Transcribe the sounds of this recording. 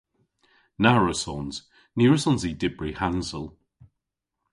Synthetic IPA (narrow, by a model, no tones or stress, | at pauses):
naɹəsɔnz̥ | niːɹəsɔ̃nzidɪbɹihansəlˠ